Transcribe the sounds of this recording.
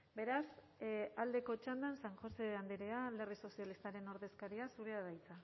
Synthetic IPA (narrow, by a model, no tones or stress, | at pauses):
be̞ɾas | ald̪e̞ko̞t͡ʃand̪ansaŋʝo̞se̞and̪eɾeale̞riso̞sijalist̪aɾe̞no̞ɾðe̞skaɾiasuɾeaðajt͡sa